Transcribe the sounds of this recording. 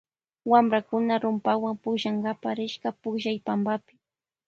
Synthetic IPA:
wamɾakʊnaɾʊmpawampʊkʒaŋɡapaɾɪʃkapʊkʒajpambapɪ̥

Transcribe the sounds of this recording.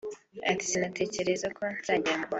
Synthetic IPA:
a̰ki̥sinatʰe̞ːce̞ɾe̞zakʰo̞nzaːɟamaβa

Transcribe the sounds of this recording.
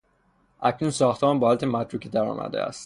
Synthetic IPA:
ʔæcnunsɒːxt̪ʰemɒnbɒːlæt̪ʰemæd̪ɾuːcʰed̪æɾɒ̰ːmʔæ̰d̪ḛæ̰st̪

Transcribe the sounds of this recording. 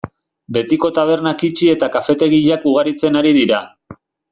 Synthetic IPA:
be̞t̪iko̞t̪aβ̞e̞ɾnakit͡ʃie̞t̪akafe̞t̪e̞ɣiʎakuɣ̞aɾit͡se̞naɾiðiɾa

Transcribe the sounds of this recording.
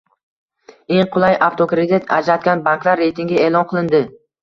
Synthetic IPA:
e̞ŋqʰʊlˠajʔaft̪ʰokɾed̪ɪt̪ʰa̰d͡ʒɾat̪̚kʲanbanŋklˠaɾːejt̪ʰɪŋɡʲɪeːlˠɒnqʰɨlˠɪnd̪ɪ

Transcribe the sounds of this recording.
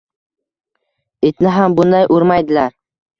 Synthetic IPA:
et̪nɪɦambʊnd̪ajʔʊɾmajd̪ɪlaɾ

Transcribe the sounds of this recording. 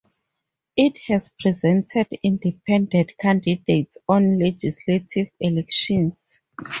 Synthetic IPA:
ithɛspʰɹizɛ̃ntʰɛdĩndipʰɛ̃ndɛ̃dkʰãndidetsɔ̃nlɛd͡ʒisletʰivɛlɛkʃɔ̃ns

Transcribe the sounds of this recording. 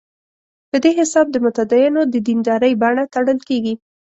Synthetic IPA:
pəd̪eɦɪsɑb̚d̪əmʊt̪ad̪ɑjɪnod̪əd̪ind̪ɑɾəjbaɳat̪aɽəlkeɡi

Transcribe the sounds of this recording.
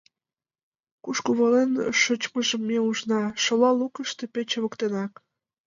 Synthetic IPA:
kuʃkuβɑlenʃot͡ɕməʒəmːeuʒnɑʃolɑlukəʃt̪e̽pet͡ɕəβə̆kt̪enɑk

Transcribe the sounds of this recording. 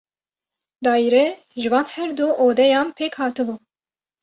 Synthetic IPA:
d̪ɑːjiɾɛ | ʒɨvɑːnhɛɾd̪uʔoːd̪ɛjɑːnpʰeːkhɑːt̪ɨbuː

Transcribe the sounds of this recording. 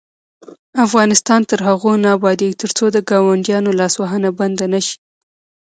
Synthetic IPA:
afɣɑnɪst̪ɑnt̪əɾɦaɣonɑbɑd̪eɡt̪əɾt͡sod̪əɡɑwaɳʈjɑnolɑswɑɦənaband̪anaʃi̥

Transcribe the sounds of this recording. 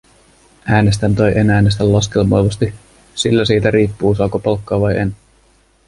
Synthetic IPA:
æːne̞st̪ænt̪ojʔenæːnːest̪ælːɑske̞lmojʋɑst̪i | silːæsiːt̪æɾiːpːuːsɑːkopɑlkːɑːʋɑjʔen

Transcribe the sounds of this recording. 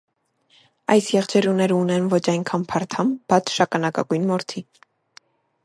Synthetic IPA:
ɑjsjɛʁd͡ʒʰɛɾunɛɾəunɛnvɔt͡ʃʰɑjnkʰɑnpʰɑɾt̪ʰɑmb̥ɑt͡sʰʃɑkɑnɑkɑ̰ɡujnmɔɾt̪ʰi

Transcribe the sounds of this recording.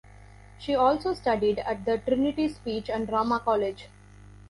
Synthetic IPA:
ʃiːɔːlsoːsʈʌɖiɖæʈ̚d̪əʈɾɪnɪʈispiːt͡ʃæ̃ɳɖɖɾaːmakɔːled͡ʒ

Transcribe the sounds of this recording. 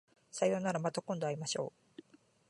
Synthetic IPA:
sajo̞ːnaɾamat̪akõ̞nd̪o̞aɾimaɕo̞ː

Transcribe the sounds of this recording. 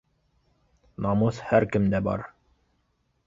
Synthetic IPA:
nɑmɤshæɾkɘ̆md̪æbɑ̰ɾ

